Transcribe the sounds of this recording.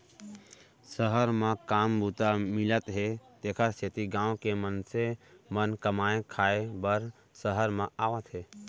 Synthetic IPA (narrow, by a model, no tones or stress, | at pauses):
səɦəɾmãkaːmbuːt̪amɪlət̪ɦet̪eːkʰaset̪iɡãːw̃kemənsemənkəmaːẽkʰaːebəɾ | səɦəɾmãaːʋət̪ɦeː